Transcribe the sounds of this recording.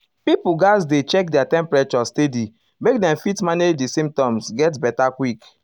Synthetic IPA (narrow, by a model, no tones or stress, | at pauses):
pipuɡazdet͡ʃɛk̚dɛatɛ̃mpɾɹɛt͡ʃɔstedi | mek̚dɛ̃mfitmaned͡ʒdisẽmtãmsɡɛtbɛtakwik